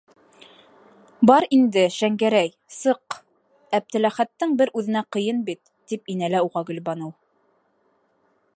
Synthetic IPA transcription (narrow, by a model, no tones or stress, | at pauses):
bɑɾind̪ɘʃæŋɡæɾæj | sɤq | æp̚t̪ɘ̆læχæt̪ːɘŋbɘɾʉðɘ̆næqɤ̆jɤnbit̪ːipinælæuʁɑɡɵ̆lbɑnɤw